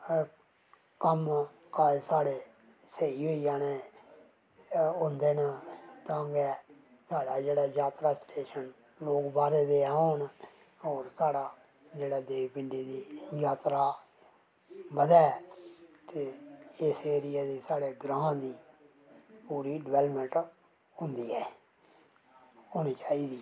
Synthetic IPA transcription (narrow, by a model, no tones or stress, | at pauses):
kəm | kasaːɽeː | səiːɦoːijãːneː | ʊ̃nd̪eːnaːt̪ãːɡɛː | saːɽaːd͡ʒeːɽaːjaːt̪ɾaːsʈeːʃən | loːkbaːɾeːd̪eɦoːn | oːɾsaːɽaː | d͡ʒeːɽaːd̪eːʋpɪɳɖiːd̪iːjaːt̪ɾaː | bəd̪ɛː | t̪eːɪseːɾɪjaːd̪iːsaːɽeːɡɾãːãːd̪iː | puːɾiːɖɪʋɛːləmə̃ɳʈ | ɦʊ̃nd̪iːɛː | ɦoːɽ̃iːt͡ʃaːiːd̪iː